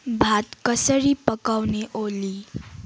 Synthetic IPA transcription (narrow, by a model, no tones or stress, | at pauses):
bʱat̪kʌsʌɾipʌkawneʔoli